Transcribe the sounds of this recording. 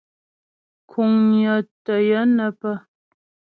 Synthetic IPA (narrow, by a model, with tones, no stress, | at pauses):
kʰu˨ŋjə˨tə˨jə˦nə˦˨pə˦